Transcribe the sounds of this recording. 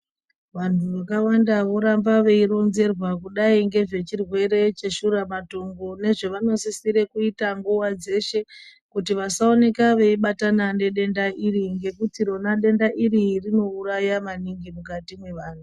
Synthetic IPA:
ʋan̤uʋakawandaʋo̞ɾambaʋe̞iɾo̞nze̞rwakuɗaiŋɡe̞ʐe̞t͡ʃirwe̞ɾe̞t͡ʃe̞ʃuɾamato̞ŋɡo̞ne̞ʐeʋano̞sisiɾe̞kuitaŋɡuwad͡ze̞ʃe̞ | kut̬iʋasao̞ne̞kaʋe̞iɓatanane̞ɗe̞ndaʔiriŋɡe̞kutiɾo̞naɗe̞ndaʔiɾirino̞urajamaniŋɡimukatimwe̞ʋaːn̤u

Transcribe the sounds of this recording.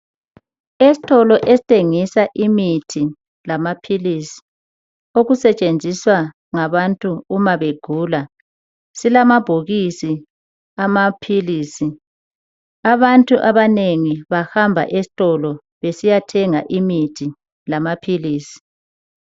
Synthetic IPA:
esi̥tʼɔlɔʔesi̥tʰʼeŋisaʔimitʰi | lamapʰilisi̥ | oɣusɛt͡ʃʼend͡zʱiswa | ŋaβantʼuːmaβeɡ̥ʱuːla | silamab̥ʱoɣisi | amapʰiliːsi | aβantʼuʔaβaneŋiβahambʱa̰ʔesi̥tʼɔlɔ | βesijatʰɛŋaʔimitʰi | lamapʰiliːsi̥

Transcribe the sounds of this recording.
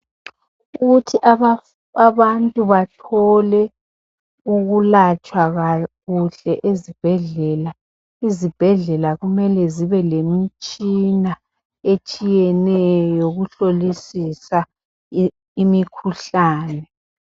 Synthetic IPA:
uɣutʰiʔ | aβantʼuβatʰɔlɛ | uɣulat͡ʃʼwaɣaɣuɬɛʔezib̥ʱɛɮɛːla | izib̥ʱɛɮɛlaɣumɛlɛziβɛlemit͡ʃʼina | et͡ʃʼijɛnɛjoɣuɬolisisa | imikʰuɬaːnɛ

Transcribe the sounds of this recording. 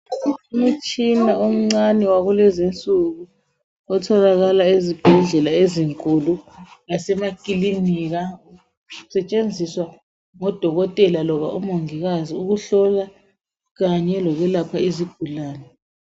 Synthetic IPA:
um̩t͡ʃʼinaom̩ŋ͡ǀanɛwaɣulɛzint͡sʼuɣu | ɔtʰɔlaɣalaezib̥ʱɛɮɛlaeziŋkʼuluɣasɛmakʼiliniɣa | usɛt͡ʃʼend͡zʱiswa | ŋɔd̥ʱɔɣɔtʼɛlalɔβaʔumoŋiɣaziuɣuɬɔla | ɣaɲɛlɔɣɛlapʰaizib̥̚ʱulaːnɛ

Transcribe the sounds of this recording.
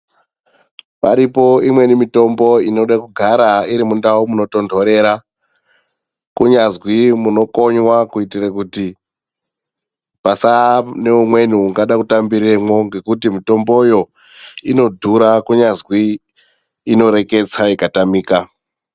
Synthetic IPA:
pa̰ɾipo̞imwe̞nimito̞mbo̞ino̞ɗakuɡʱaɾaiɾimundaumuno̞to̞ndʱo̞ɾe̞ɾa | kuɲazwimuno̞ko̞ɲwakuitirakuti | pasane̞umwe̞nuuŋɡaɗakutambiɾemwo̞ŋɡe̞kutimito̞mbo̞jo̞ | ino̞dʱuɾakuɲazwiː | no̞ɾe̞ke̞t͡saikatamiːka

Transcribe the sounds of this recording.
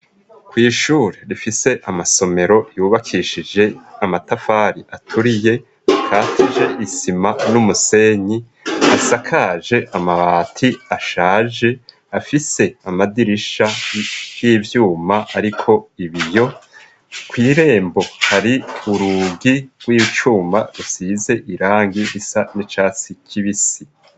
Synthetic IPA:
kwiːʃuːɾeɾifise̞ʔamaso̞me̞ɾo̞juːβakʰiʃid͡ʒe̞amatafaːɾiʔatʰuɾije̞ | akʰaːtʰid͡ʒe̞ʔisimanumuse̞ɲi | asakʰaʒe̞ʔamaβaːtʰiaʃaːd͡ʒe̞ | afise̞amadiɾiʃajiːvjuːmaaɾikʰo̞iβijo̞ | kwiːɾe̞ːmbo̞haɾiuɾuɡiɡ̥wiːt͡ʃuːmaɾusize̞ʔiɾaːŋɡiɾisanit͡ʃaːt͡sikʰiβisi

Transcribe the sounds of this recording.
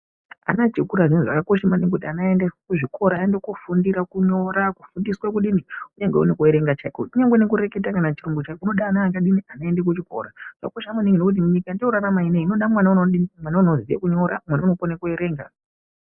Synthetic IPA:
a̰nad͡ʒekuɾaʐinozʐa̰kako̞ʃamanŋekutianaendekuʐiko̞ɾaendekufundiɾakuɲo̞ɾaku̥fundiswakuɗiniuɲaŋɡeune̞kueɾe̞ŋɡat͡ʃakouɲaŋɡwenekuɾe̞ketakanat͡ʃiɾoŋɡut͡ʃakuno̞ɗaːnaːkaɗinianae̞ndek̬ut͡ʃiko̞̰ɾaʐ̥akoʃamaniŋɡenokut̬imuɲikandiuɾaramaineino̞ɗamwanaunoɗinimwanauno̞zijḛkuɲo̞ɾamwanauno̞konakue̞ɾe̞ːŋɡa̰

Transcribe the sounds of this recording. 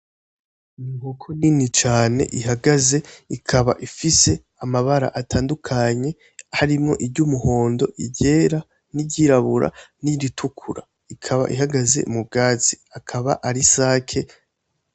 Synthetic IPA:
niŋɡukʰoninit͡ʃaːne̞̰ʔiɦaɡaze̞ikʰaβa̰ʔifise̞ | amaβaɾa̰ʔatʰaːndukʰaɲe̞ | haɾimŋo̞̰ʔibɟuːmuho̞ːndo̞ʔiɟe̞ːɾa | niɟiɾaβuɾa̰niɾitʰukʰuɾa̰ | ikʰaβa̰ʔihaɡaze̞̰mub̚ɡaːz̥i | akʰaβa̰ʔaɾisaːkʰe̞

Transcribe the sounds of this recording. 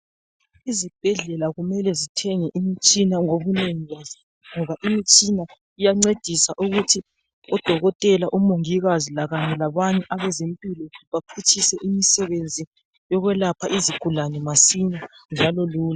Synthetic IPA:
izib̥ʱɛɮɛlaɣumɛlɛzitʰɛŋɛʔimit͡ʃʼinaŋoβuneŋiɣazi | ŋɔβaʔimit͡ʃʼina | ijaŋ͡ǀed̥ʱisaʔuɣutʰi | ɔd̥ʱɔɣɔtʼɛlaʔumoŋiɣazilaɣaɲɛlaβaɲɛʔaβɛzempʼilɔβapʰut͡ʃʰʼisɛʔimisɛβend͡zʱi | jɔɣwɛlapʰaʔiziɡ̥ʱulanɛmasiɲand͡ʒʱalɔluːla

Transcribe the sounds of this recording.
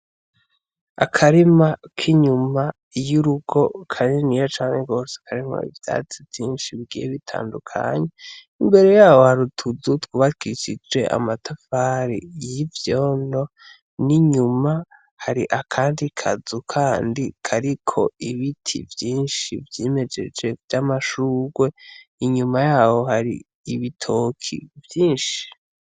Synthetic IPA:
a̰kʰaɾimakʰiɲuma | juɾuɡo̞kʰaɲenijat͡ʃaːŋeɡo̞ːse̥kʰaɾimo̰ḭvja̰ːt͡sivjiːnʃiβiɡḭjeβitʰa̰ːndukʰa̰ɲe | imbe̞ɾe̞jaːwo̞haɾutʰuzutwuβakiiʃid͡ʒe̞ʔa̰matʰafaːɾḭjivjoːno̞ | niɲuma | haɾiʔakʰaːndikʰa̰zukʰaːndikʰaɾikʰo̞̰iβitʰḭvjiːnʃivjeːme̞d͡ʒe̞̰d͡ʒe̞vjamaʃuːɡwe̞iɲumajaːho̞haɾḭː | βitʰokʰḭvjiːnʃi̥

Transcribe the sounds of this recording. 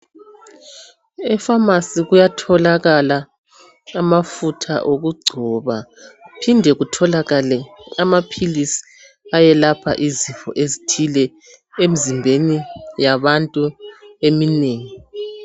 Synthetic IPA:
ɛfamasiɣujatʰɔlaɣalaː | mafutʰa̰ʔoɣuɡ͡ǀʱɔβapʰindʱɛɣutʰɔlaɣalɛamapʰilisi̥ | ajɛlapʰa̰ʔiziɱfɔ̰ʔezitʰilɛ | emizimbʱenijaβantʼuemineːŋi

